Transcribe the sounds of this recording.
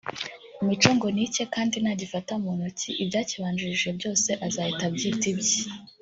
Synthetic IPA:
imit͡ʃoːŋɡo̞nice̞kaːndinaɟifataumunociʔibɟaːciβaːnd͡ʒuɾiʒe̞bɟo̞ːse̞ʔazaːhitabɟiːtibji

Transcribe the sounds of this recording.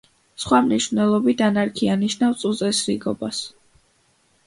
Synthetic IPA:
sχwamniʃvnɛlˠɔbit̪ʰanaɾkʰianiʃnafst̪sʼut̪sʼɛsɾiɡɔbas

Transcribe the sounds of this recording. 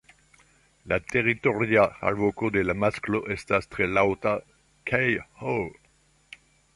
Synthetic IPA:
lat̪eʁit̪oʁjaa̰vokod̪elamaskloʔest̪ast̪ʁelawt̪a | kʰajho

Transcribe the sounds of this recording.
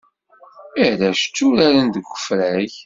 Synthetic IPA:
æɾæʃt͡sːʊɾaɾənd̪əɡʷːə̥fɾæç

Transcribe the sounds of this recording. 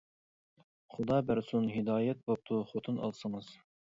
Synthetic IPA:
χʊd̪ɑːbæɾsunɦid̪ɑːjɛt̪̚bop̚t̪ʰuχot̪ʰɨnɑ̰lˠsəŋɨz̥

